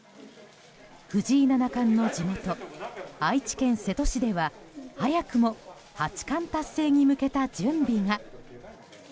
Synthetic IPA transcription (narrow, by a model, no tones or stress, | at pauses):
hɯ̟ʑiːnanakãnːo̞d͡ʑimo̞t̪o̞ait͡ɕi̥kẽ̞ɰ̃se̞t̪oɕid̪e̞βahajakɯ̟mo̞ | hat͡ɕi̥kãnt̪asːe̞ːɲ̟imɯ̟ke̞t̪ad͡ʑɨ̃mbʲiŋa